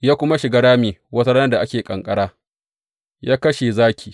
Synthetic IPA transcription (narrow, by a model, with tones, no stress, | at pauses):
jaː˦kʷʊ˦ma˦ʃɪ˨ɡaː˦ɽaː˦meː˨wɐ˦ta˦ɽnɐ˦da˨ʔa˦kʲeː˨kʼɐ˨ŋkʼɐ˦ɽaː˦ | jaː˦kɐ˦ʃe˨zaː˦kʲʰiː˨